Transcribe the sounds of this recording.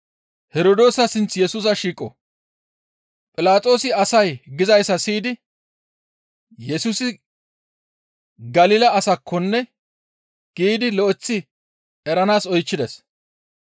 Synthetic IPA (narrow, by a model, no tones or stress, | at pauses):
hɛɾoːd̪oːsɐsɪnt͡sjɛsuːs̬ɐʃiːkʼːɔ̰ | pʼɪlaːt͡sʼo̞ːsɪɐsɐjɡɪzɐjsɐsiːd̪ɪ | jɛsuːsɪ | ɡɐlɪːlɐːsɐkʰːɔnːɛ | ɡ̥iːd̪ɪlɔʔɛt͡sːɪ | ɛɾɐnaːsɔjt͡ʃːɪd̪ɛs